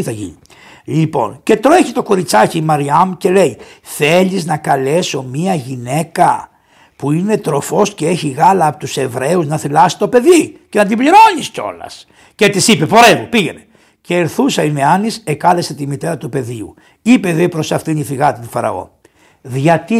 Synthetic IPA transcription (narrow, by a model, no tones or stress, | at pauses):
iθɐʝḭi | lipo̞̰nce̞t̪ɾoeçit̪o̞ko̞ɾit͡sɐcimɐɾiɐmuce̞le̞iθe̞ʎiznɐkɐle̞so̞miɐʝine̞kɐ | puine̞t̪ɾo̞fo̞sce̞eçiɣɐlɐːpot̪use̞vɾe̞uznɐθilɐsi̥t̪o̞pe̞ðice̞nɐd̪ibliɾo̞nisco̞̰lɐ̰s | cet̪isipe̞po̞ɾemupiʝe̞ne | ceːɾθusɐineɐnisekɐle̞set̪imit̪e̞ɾɐt̪upe̞ðiṵ | ipeðepɾo̞sɐft̪iniθiɣɐt̪it̪ifɐɾɐ̰o̞̰ | ðʝɐt̪i